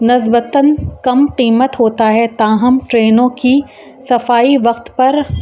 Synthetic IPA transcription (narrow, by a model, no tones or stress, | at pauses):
nɪsbət̪ənkɐmqiːmət̪ɦoːt̪aɦɛt̪aːɦɐmʈɾeːnõki | sɐfaːiʋɐqt̪pɐɾ